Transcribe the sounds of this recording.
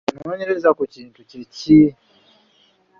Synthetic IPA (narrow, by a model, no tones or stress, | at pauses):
noɲe̞ɾe̞zakuciːntuceci